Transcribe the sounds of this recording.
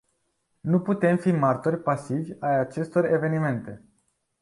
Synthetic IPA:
nuput̪e̞mfimart̪o̞rʲpasivʲajat͡ʃe̞st̪o̞re̞ve̞nime̞nt̪e̞

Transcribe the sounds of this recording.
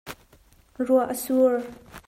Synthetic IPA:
ruaʔəsuɹ

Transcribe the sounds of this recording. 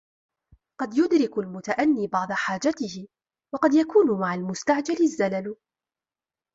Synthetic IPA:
qɑd̪jʊd̪ɾɪkʊlmʊt̪aʔanːiːbɑʕd̪ˤɑħaːd͡ʒat̪ɪhɪ | wɑqɑd̪jakuːnʊmaʕalmʊst̪aʕd͡ʒalɪzːalal

